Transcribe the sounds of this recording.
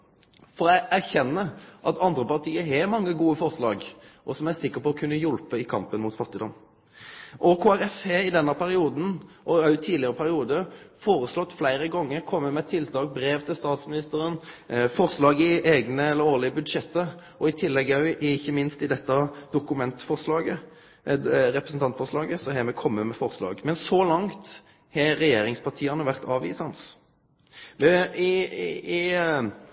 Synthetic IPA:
fɔɾæʔæʁçɛnːəʔɑt̪ʰɑnd̪ɾəpɑʁʈ̪iːəɦɛmɑŋːəɡuːəfɔʁslɑːɡʔɔsɔmæsɪkːəɾpɔɔkʰʉnːəjʊlpəɪkʰɑ̰mpənmʊːt̪fɑt̪ːɪd̪ɔm | ʔɔkʰoːæɾɛfɛɪd̪ɛnːəpʰæɾɪuːd̪n̩ʔɔɑʉt̪ʰiːlɪəɾəpʰæɾɪuːd̪əfoːɾəslɔt̪ːflæɪɾəɡɔŋːəɾkʰɔmːəmɛːt̪ʰɪlt̪ʰɑːk̚bɾeːʋt̪ʰɪlst̪ɑːt̪smɪnɪst̪əɾənfɔʁslɑːɡɪʔeːɡnəɛlːəɾoːlɪəbʉd̪ʃɛt̪ːə | ʔɔɪt̪ʰɪlːɛɡɑʉɪɪçːəmɪnst̪ɪd̪ɛt̪ːɑd̪ʊkʉmɛnt̪fɔʁslɑːɡə | ɾɛpɾəsn̩t̪ʰɑnt̪fɔʁʂlɑːɡəsɔɦɛmɛkʰɔmːəmɛfɔʁslɑ̰ːɡmɛnsɔlɑŋt̪ | hɛɾɛjeːɾɪŋspʰɑʁʈ̪ʰiːɑnəʋæʁt̪ɑːʋḭːsɑns | ʋɛɪɪ

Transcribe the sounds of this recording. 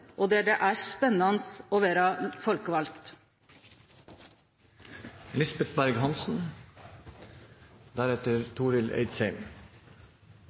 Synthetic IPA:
ʔoːd̪ɛɖɛʔæːspɛnːɑnəsoːʋeːɾɑfɔlkəʋɑlkt̪ | lɪsbɛt̪bæɾɡhɑnsn̩ | d̪æɾɛt̪əɾt̪ʰuːɾɪlḛɪd̪seɪm

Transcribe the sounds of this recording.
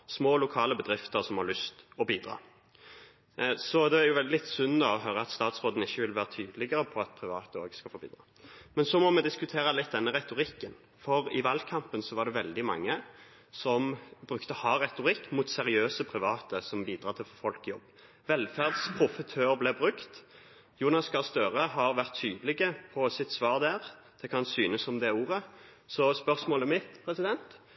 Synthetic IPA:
smoːlʊkʰɑːləbəd̪ɾɪft̪əʁsɔmhɑʁlʏst̪ɔbiːd̪ʁɑ̰ː | sɔd̪ɛæɾjʊʋɛlɪlɪt̪ːsʉnːd̪ɑɔɦœːɾəɑt̪st̪ɑːt̪sʁoːd̪n̩ɪçːəʋɪlʋæːʁət̪ʰyːd̪lɪɡəɾəpʰɔɑt̪̚pʰɾɪʋɑ̰ːt̪əoːɡskɑlfoːbḭːd̪ʁɑ̰ːmɛnsɔmɔmɛd̪ɪskʉt̪ʰeːʁəlɪt̪̚ːd̪ɛnːəʁɛt̪ʊɾɪkːən | fɔɾɪʋɑːlkʰɑmpənsɔʋɑd̪ɛʋɛld̪ɪmɑ̰ŋːə | sɔmbɾʉkt̪əhɑːʁɛt̪ʊɾɪkːmʊt̪sɛɾɪøːsəpʰɾɪʋɑːt̪əsɔmbiːd̪ɾʁɑːt̪ʰɪlfɔfɔlkjɔ̰bː | ʋɛlfæʁd̪spʰɾʊfət̪ʰøːɾblɛbʁʉkt̪ | juːnɑskʰɑʁst̪øːʁəɦɑʁʋæʁt̪ʰːyːd̪əlɪɡəpʰɔsɪt̪ːsʋɑːʁd̪æːʁ | d̪̥ɛkʰɑnsyːnəsɔmd̪ɛuːʁə | sɔspœʁsmoːləmɪt̪pʰɾɛsɪd̪ɛnt̪

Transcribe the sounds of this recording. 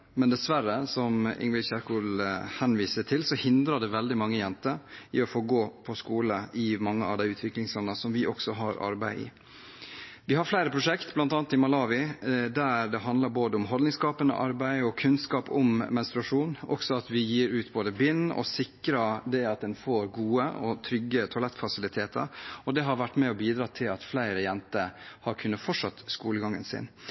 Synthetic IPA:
mɛnd̪ɛsʋæɾəsɔmɪ̰ŋʋɪlçæɾkuːlhɛnʋiːsət̪ʰɪlsɔhɪnd̪ɾəɖ̪ɛʋɛld̪ɪmɑŋːəjɛnt̪əɾɪɔfoːɡoːpʰɔskuːləʔɪmɑŋːəɑ̰ʋd̪æɪʉːt̪ʰʋɪklɪŋslɔnɑsɔmʋɪʔɔksɔɦɑɾɑ̰ɾbæ̰ɪʔɪ̰ | ʋɪhɑɾflæɪɾəpʰɾʊʂɛkt̪blɑnt̪ɑːnt̪ɪmɑlɑːʋɪd̪æd̪ɛɦɑnd̪ləɾboːd̪əʊmɦɔlnɪŋskɑːpənə̰ʔɑɾbæɪɔkʰʉnskɑːpʊmmɛnst̪ɾʉɑʂuːnɔ̰ksɔɑt̪ʋɪjiːɾʉːt̪boːd̪əbɪnɔ̰sɪkɾɑd̪ɛɑt̪̚d̪ɛnfoːɾɡuːəɔt̪ʰɾʏɡːət̪ʰʊɑlɛt̪ːfɑsɪlɪt̪ʰeːt̪ʰə̰ɾɔd̪ɛɦɑɾʋæʈːmɛɔbiːd̪ɾɑːt̪ʰɪlɑt̪flæɪɾəjɛnt̪əhɑɾkʰʉnːəfɔʈʂɑt̪ːskuːləɡɑŋːə̰nsɪ̰n

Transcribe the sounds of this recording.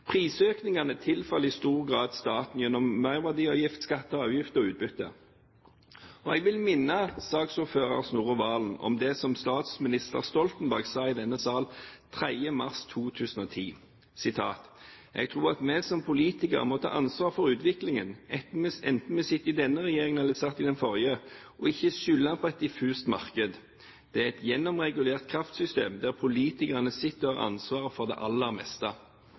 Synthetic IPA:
pʰʁiːsøːknɪŋɑnət̪ʰɪlfɑləɪst̪uːʁɡʁɑːd̪st̪ɑːt̪n̩jɛnːɔmːœʏʁʋæd̪iːɔjɪft̪skɑt̪ːəɑːʋjɪft̪əɔʉːt̪̚bʏt̪ːə̰ | ɔɛɡʋɪlmɪnːəsɑːɡsuːføːʁɑ̰ʁsnuːʁəʋɑːln̩ɔ̰md̪ɛsɔmst̪ɑːt̪smɪnɪst̪ə̰ʁst̪ɔlt̪nbæʁɡsɑːɪd̪ɛnːəsɑːlt̪ʰʁæɪəmɑʁst̪ʰuːt̪ʰʉːsən̩ɔːt̪ʰiː | sɪt̪ʰɑ̰ːt̪ | ʔɛ̰ɡt̪ʰʁuːʁɑt̪mɛsɔmpʰʊliːt̪ɪkə̰ʁmɔt̪ʰɑ̰ːʔɑnsʋɑːʁfɔʁʉːt̪ʋɪklɪŋənɛɛnt̪n̩mɛsɪt̪ːɪd̪ɛnːəʁɛjeːɾɪŋənɛlːəsɑt̪ːɪd̪ɛnfɔʁjə | ʔɔɪçːəʃʏlːɑnpʰɔɛt̪̚d̪ɪfʉːst̪mɑ̰ʁkəd̪ | d̪̥ɛæʁɛt̪jɛnːɔmʁɛɡʉleːʁt̪̚kʰʁɑft̪sʏst̪eːmd̪æʁpʰʊliːt̪ɪkəʁənəsɪt̪ːɔhɑːʁɑ̰nsʋɑːʁəfɔʁd̪ɛ̰ːʔɑlːəɑʁmɛ̰st̪ɑ

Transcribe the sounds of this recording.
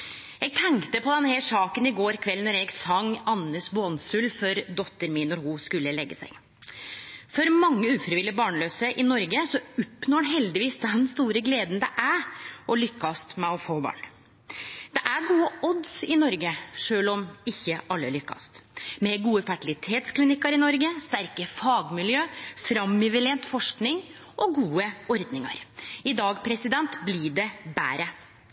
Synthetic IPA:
ɛɡ̚t̪ʰɛŋkt̪əpɔd̪ɛnhæʂɑːkənɪɡoːɾkʰʋɛlnɔɾɛɡsɑŋːɑnːəsbʊɑnsʉlfɔɾd̪ɔt̪ːəɾmiːnɔɾhʊskʉlːəlɛɡːəsæ̰ɪ | fɔɾmɑŋːəʉːfɾɪʋɪləbɑːɳløːsəʔɪnɔɾɡəsɔɔpːnoːɖɛɦɛld̪ɪʋiːsd̪ɛnst̪uːɾəɡleːd̪n̩d̪ɛʔæʔɔlʏkːɑst̪mɛɔfoːbɑ̰ːɳ | d̪̥ɛʔæɡuːəɔd̪sɪnɔɾɡəʂøːlɔmɪçːəʔɑlːəæɭʏkːɑ̰st̪mɛɡuːəfæʈɪlɪt̪ʰeːt̪sklɪnɪkːɑɾɪnɔɾɡəst̪æɾkəfɑːɡmɪljøːfɾɑmːɪʋɪlɛnt̪fɔʂknɪŋ | ʔɔɡuːəɔɾd̪nɪŋɑ̰ɾɪd̪ɑːɡpʰɾɛsɪd̪ɛnt̪blɪɖɛbæ̰ːɾə

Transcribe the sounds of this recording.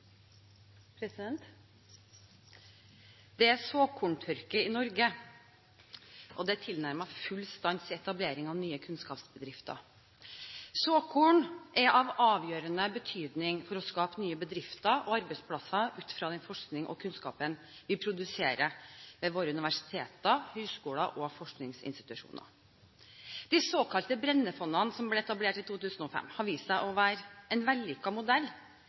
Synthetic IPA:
pʰɾɛsɪɛnt̪ | d̪̥ɛæsoːkʰuːɳʈ̪ʰœɾkəɪnɔɾɡə | ʔɔd̪ɛæt̪ʰɪlnæɾməfʉlst̪ɑnsɛt̪ɑbleːɾɪŋɑʋnyːəkʰʉnskɑːpsbəd̪ɾɪft̪ə̰ɾ | soːkʰuːɳʔɛɾʔɑʋɑːʋjøːɾənəbət̪ʰyːd̪nɪŋfɔɾɔskɑːpənyːəbəd̪ɾɪft̪əʔɔɑɾbɛɪspʰlɑsɑʔʉːt̪fɾɑːd̪ɛnfɔʂknɪŋʔɔ̰kʰʉnskɑ̰ːpən | ʋɪpʰɾʊd̪ʉseːɾəʋɛʋoːɾəʉnɪʋæʂɪ̥t̪ʰeːt̪əhœʏskuːləʔɔfɔʂknɪŋsɪ̰nst̪ɪ̥t̪ʉʂṵːnə̰ | d̪̥ɪsoːkʰɑlt̪əbɾɛnːəfɔnːɑnsɔmblɛɛt̪ɑbleːʈɪt̪ʰuːt̪ʉːsənɔfɛ̰mːhɑɾʋiːst̪əʔɔʋæːɾɛnʋɛlːʏkːɑmʊd̪ɛlː

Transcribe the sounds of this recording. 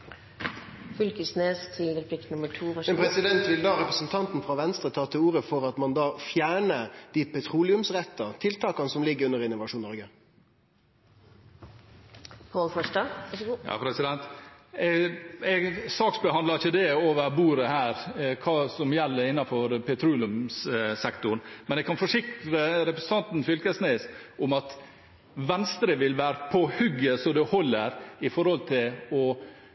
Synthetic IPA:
fʏlkəsneːst̪ʰɪlɾpʰlɪkt̪nʊməʈʰuːmɛnpʰɾɛsɪd̪ɛnt̪ʋɪld̪ɑːɾɛpɾəsənt̪ʰɑnt̪nfɾɑʋɛnst̪ɾət̪ʰɑːt̪ʰɪluːɾəfɔɾɑt̪mɑnd̪ɑːfjæːɳəd̪̥iːt̪̚pʰɛt̪ʰɾuːlɪʉmsʁɛt̪ːɑt̪ʰɪlt̪ʰɑːkɑnəsɔmlɪɡːəɾʉnːəʁɪnːʊʋɑʂuːnːɔɾɡə | pʰoːlfɔʂʈɑɑ̰pʰɾɛsɪd̪ɛnt̪ | ɛɡsɑːksbəhɑnd̪lɑɾɪçəd̪ɛoːʋəɾbuːɾəhæːɾkʰɑːsɔmjælːəɾɪnːɑfɔɾpʰɛt̪ʰɾuːlʉmssɛkt̪ʊɳmɛnɛɡkʰːɑnfɔʂɪkt̪ɾəɾɛpɾɛsn̩t̪ʰɑnt̪n̩fʏlkəsneːsʔʊmɑt̪ | ʋɛnst̪ɾəʋɪlʋæːɾəpʰɔhʉɡəsɔd̪ʉhɔlːəɾɪfɔɾhɔlt̪ʰɪlɔ

